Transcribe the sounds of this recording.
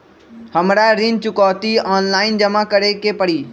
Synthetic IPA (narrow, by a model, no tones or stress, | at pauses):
həmɾaɾɪ̃nt͡ʃʊkɔːt̪iːaːnlaːɪnd͡ʒəmãkəɾekepəɽiː